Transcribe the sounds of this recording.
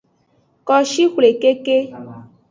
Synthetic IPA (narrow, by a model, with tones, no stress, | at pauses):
kɔ˦ʃi˦xwle˨ke˦ke˦